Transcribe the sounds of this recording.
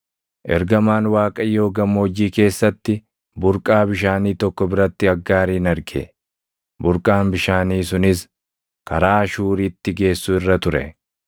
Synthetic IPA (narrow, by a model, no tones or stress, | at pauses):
ʔɛ̰ɾɡɐmaːnwaːkʼɐjːo̞ːɡɐmːoːd͡ʒiːke̞ːsːɐt̪ːɪ | bʊɾkʼaːbɪʃaːniːt̪ɔkːɔbɪɾɐt̪ːɪɐɡːaːɾiːnɐɾɡɛ̰ | bʊɾkʼaːnbɪʃaːniːsʊnɪs | kɐɾaːʃuːɾiːt̪ːɪɡe̞ːsːʊɪrːɐt̪ʊɾɛ̰